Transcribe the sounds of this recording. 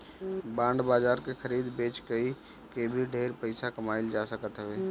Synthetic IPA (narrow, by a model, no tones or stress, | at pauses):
bãːɳɖbaːzaːɾkexʰəɾiːd̪beːt͡ʃɡəi | kebʱiɖʱeːɾpəɪsakəmaːɪld͡ʒaːsəkət̪ɦʊʋeː